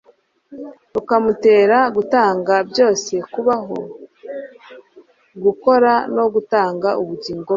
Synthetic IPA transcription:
ukamute̞ːɾaɡutaːŋɡabjo̞ːse̞kuβaɦo̞ | ɡuko̞ɾano̞ɡutaːŋɡauβuɟiːŋɡo

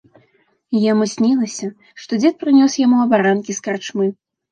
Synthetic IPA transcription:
jamɨsʲnʲilˠɐsʲɐ | ʂt̪ɔd͡zʲɛt̪̚pɾɨnʲɔsjamuɐbaɾankʲiskart͡ʂmɨ

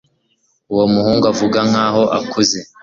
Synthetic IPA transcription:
uwo̞muhuːŋɡavuɡaŋ̥aːɦo̞ʔa̰kʰuze

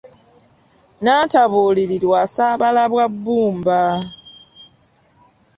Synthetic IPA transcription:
nataβuliɾiɾwasaβalaβwabːuːmba

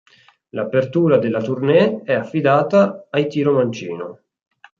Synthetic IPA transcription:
lapert̪uːɾad̪elːat̪urnɛɛafːid̪aːt̪aːjt̪iːɾomant͡ʃḭːno̰

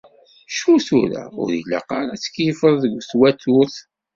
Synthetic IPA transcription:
ʃuθuɾa̰ʊ̰ɾila̰qaɾˤat͡sːə̥kːjəfəðˤðəɡʷθwæt̪ʊθ

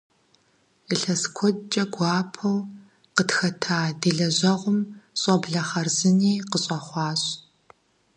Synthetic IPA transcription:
əɬɐskʷʰɔt͡ʃʼɐɡʷɑːpʰɐw | qətxɐtʰaːdiːɮɐʑɐʁʷʊmɕʼɔbɮɐχɐrzɨniːqəɕʼɐχʷɑːɕʼ

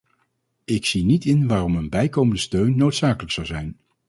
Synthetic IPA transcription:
ɪksinitɪnʋaːrɔmənbɛjkowməndəstøɥnːowtsaːkələksɑwzɛjn

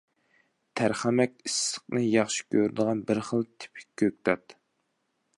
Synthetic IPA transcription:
t̪ʰæɾχæmɛkʲisːə̥q̚nɨjɑχʃi̥kʲʰøɾd̪əʁɑnbɾχəlˠt̪ʰɪ̥pʰɪ̥kʲʰːøk̚ʲt̪ʰɑt̪

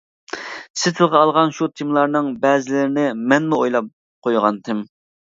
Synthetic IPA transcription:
sɪt̪ʰɪlˠʁɑːlˠʁɑnʃut̪ʰɪmlˠɑɾnɨŋbɛːzɪlɪɾɪnɪmɛnmuojlˠɑp̚ | qʰojʁɑnt̪ʰɪm

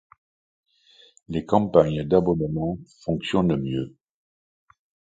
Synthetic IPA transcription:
lekɑ̃paɲəd̪abɔnmɑ̃fɔ̃ksjɔnmjø

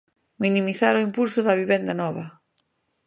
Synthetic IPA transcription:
minimiθaɾʊimpulsʊðɐβiβend̪ɐnɔβɐ

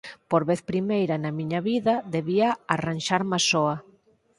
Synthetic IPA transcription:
poɾβeθpɾimejɾɐnɐmiɲɐβiðɐðeβiaaranʃaɾmasɔɐ

